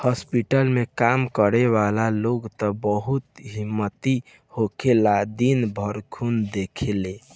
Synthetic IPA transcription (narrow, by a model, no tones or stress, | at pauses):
hɔspiʈəlmekamkəɾeʋalaloɡt̪ɔbəɦut̪ɦimːət̪i | hokʰelad̪inbʱəɾkʰund̪ekʰele